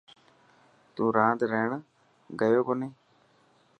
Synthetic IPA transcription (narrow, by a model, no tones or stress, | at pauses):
t̪ũːɾãːd̪ɾeːɳ | ɡəjoːkoːneː